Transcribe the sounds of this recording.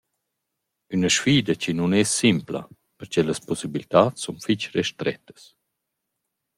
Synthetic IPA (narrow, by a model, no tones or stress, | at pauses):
ynəʃfiːd̪ət͡ɕinunɛsːimpla̰ | pəɾt͡ʃɛləspɔsibilit̪aːt͡ssːunfit͡ʃrɛʃt̪ɾɛ̰t̪ə̥s